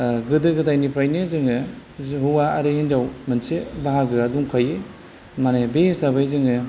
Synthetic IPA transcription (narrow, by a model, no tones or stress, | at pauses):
ɡɯdɯɡɯtajnipʰɾajnɯzɯŋɯ | ɦuwaɐɾehend͡ʒawmɯnsebaɦaɡɯɐduŋkʰaje | manebesaβajzɯŋɯ